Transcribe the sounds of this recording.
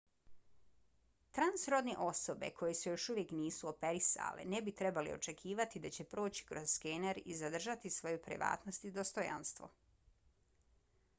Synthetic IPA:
t̪ɾansɾo̞d̪neʔo̞so̞be̞̰kʰo̞jesujo̞ʃuʋje̞kniːsuo̞pe̞ɾisa̰lḛnebit̪ɾe̞balḭo̞̰t͡ʃe̞kʰiːʋat̪id̪at͡ɕe̞pɾo̞ːt͡ɕi̥kɾozskeneɾizad̪r̩ʒat̪isʋo̞jupɾḭʋa̰ːt̪nost̪id̪o̞st̪oja̰nst̪ʋo̰

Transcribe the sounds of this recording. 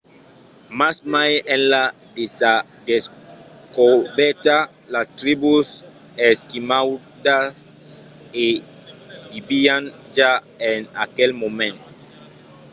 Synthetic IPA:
masmajenlad̪esad̪eskobɛɾt̪a | last̪ɾibuseskimawd̪ase | bibiand͡ʒaenakelmomẽnt̪o̥

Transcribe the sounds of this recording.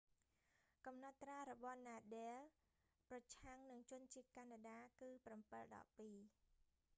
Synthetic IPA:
kɑmnɑt̪ːraːɾɔɓɑhnaːɗeːl | prɑt͡ɕʰaŋnɨŋt͡ɕʊ̆ənt͡ɕiət̪̚kanaɗaːkɨːprɑmpəlɗɑ̰pːiː

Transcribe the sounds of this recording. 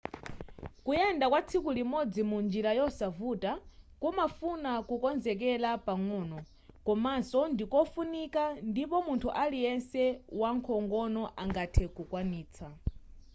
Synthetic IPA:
kujɛndakwat͡sʰikulimɔd͡zimund͡ʒiɾajɔsavutakumafunakukɔnzɛk̬ɛlapaŋɔːnɔ | kɔmasɔndikɔfunikandipɔmuntʰuʔalijɛnsɛwaŋkʰɔŋɡɔnɔʔaŋɡatʰɛkukwaniːt͡sʰa

